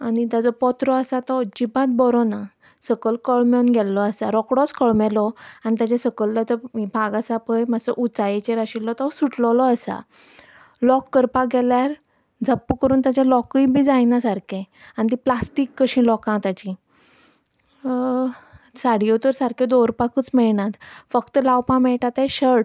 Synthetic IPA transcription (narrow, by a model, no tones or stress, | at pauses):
añit̪ad͡zɔpɔt̪ɾɔəsat̪ɔd͡ʑibat̪̚bɔɾɔna | səkəlkəɭmjɔnɡʱɛlːɔəsaɾɔkɽɔskəɭmɛlɔañit̪at͡ɕasəkəlt̪at͡sɔbʱaɡasapəjmasɔʔut͡sajet͡ɕeɾaɕilːɔt̪ɔsuʈlɔlɔəsa̰ | lɔkːəɾpaɡɛljaɾ | d͡zʱəpːəkəɾuːnt̪at͡ɕalɔkəibʱiːd͡zajnasaɾkʰẽ | anit̪iplasʈikːəɕĩlɔkãt̪at͡ɕĩ | saɽ̤ijot̪əɾsaɾkʰed̪oɾpakət͡smɛɭnat̪fəkt̪əlawpãmɛɭʈat̪ajɕəɽ